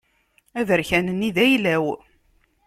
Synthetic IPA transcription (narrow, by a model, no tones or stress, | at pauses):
æðəɾçænənːiðæjlæw